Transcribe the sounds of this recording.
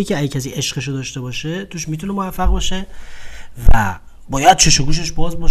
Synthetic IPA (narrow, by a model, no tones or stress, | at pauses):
icʰeæɟcʰæsiːʔeʃɢeʃod̪ɒːʃt̪e̞bɒːʃe̞t̪ʰuːʃmiːt̪ʰune̞movæfːæɣbɒːʃe | væ̰ | bɒːjæd̪̥̚t͡ʃʰeʃoɡuːʃ̬eʃbɒːzbɒːʃ